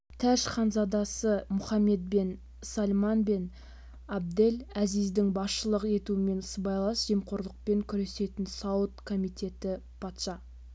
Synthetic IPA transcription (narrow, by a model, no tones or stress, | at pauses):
t̪ʰæʃχɑnzɑd̪ɑsəmʊχɑmːe̞d̪̚be̞n | sɑlmɑnbe̞n | ɑb̚d̪e̞læzizd̪ɪŋbɑsʃəlˠəqe̞t̪uɪme̞nsbɑjlˠɑsʒ̥e̞mqʰo̞ɾlˠəq̚pe̞ŋkʲʰʏɾe̞se̞t̪ɪnsɑwət̪kʰo̞mijt̪e̞t̪ɪ | pʰɑt̪ʃɑ